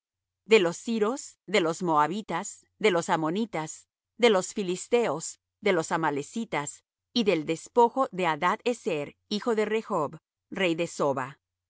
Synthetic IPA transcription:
d̪e̞lo̞siɾo̞sðe̞lo̞smo̞aβit̪as | ðe̞losamonit̪as | ðe̞lo̞sfilist̪e̞os | ðe̞lo̞samalesit̪as | iðeld̪e̞spo̞xo̞ðeaðaðeseɾixo̞ðerexob | rejðe̞soβa

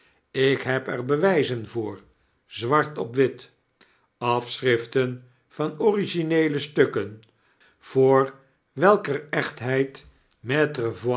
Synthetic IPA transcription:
ɪkɦɛpɛrbəʋɛjzənvʊːɹ | zʋɑɹtɔpʋɪt | ɑfsrɪftən | v̥ɑnɔriʒinejləstɵkən | v̥ʊːɹ | ʋɛlˠkərɛχtɦɛjt | mɛtrəv

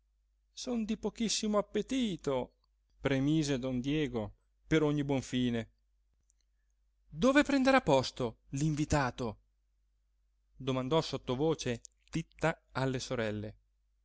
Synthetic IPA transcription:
sond̪ipokisːimoapːet̪iːt̪o | pɾemiːzed̪ɔnd̪jɛːɡo | peɾoɲːibwɔɱfiːne | d̪oːvepɾɛnd̪eɾapːɔst̪o | liɱvit̪aːt̪o | d̪omand̪ɔsot̪ːovoːt͡ʃe | t̪it̪ːaalːesoɾɛlːe

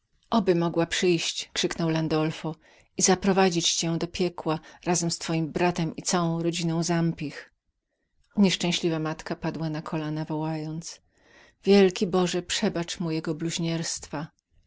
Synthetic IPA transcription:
ʔɔbɘmɔɡwapʂɘjɕt͡ɕkʂɘknɔwland̪ɔlfɔ | izapɾɔvad͡ʑit͡ɕt͡ɕɛ̃d̪ɔpʲjɛkwaɾazɛmst̪fɔjimbɾat̪ɛmit̪sawɔ̃w̃ɾɔd͡ʑinɔ̃w̃zampʲix | ɲɛʂt͡ʂɛ̃w̃ɕlʲivamat̪kapad̪wanakʰɔlanavɔwajɔnt̪s | vʲjɛlkʲibɔʐɛpʂɛbat͡ʂmujɛɡɔbluʑɲɛɾst̪fa

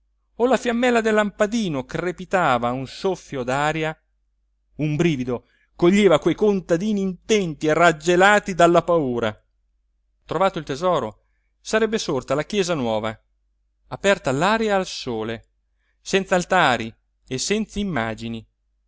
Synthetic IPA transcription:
olafjamːɛlːad̪elːampad̪iːnokrepit̪aːvaunsofːjod̪aːɾja | umbɾiːvid̪o | koʎːeːvakwejkont̪ad̪iːniːnt̪ɛnt̪ierad͡ʒːelaːt̪id̪alːapauːɾa̰ | t̪ɾovaːt̪oilt̪ezɔːɾo | saɾɛbːesort̪alakjɛːzanwɔːva̰ | apɛrt̪alaːɾjaːlsoːle | sɛnt̪salt̪aːɾi | esːɛnt̪saimːa̰ːd͡ʒini

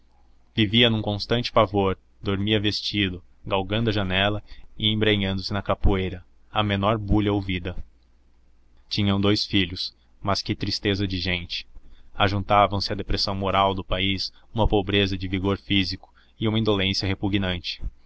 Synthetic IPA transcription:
viviɐnũkõst̪ɐ̃nt͡ʃɪ̥pavoɾ | d̪oɾmiɐvest͡ʃid̪ʊ | ɡawɡɐ̃nd̪ʊɐʒɐnɛlɐɪẽbɾeɲɐ̃nd̪ʊsɪnɐkapuejɾɐ | ɐmenɔɾbuʎɐowvid̪ɐ | t͡ʃĩɲɐ̃w̃d̪ojsfiʎʊs | mɐskɪt̪ɾist̪ezɐd͡ʒɪʒẽnt͡ʃɪ̥aʒũt̪avɐ̃w̃sɪɐd̪epɾesɐ̃w̃moɾawd̪ʊpaisũmɐpobɾezɐd͡ʒɪviɡoɾfizikʊ̥ | ɪũmɐĩnd̪olẽsiɐɦepuɡnɐ̃nt͡ʃɪ̥

